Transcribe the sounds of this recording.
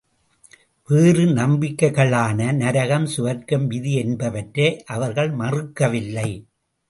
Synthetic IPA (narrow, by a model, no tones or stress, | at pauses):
ʋeːrɯnɐmbɪkːɐɪɣɐɭaːnɐnɐɾɐɣɐmsʊʋɐɾkɐmʋɪðiɛnbɐʋɐʈɾeːʔɐʋɐɾɣɐɭmɐrɯkːɐʋɪlːɐɪ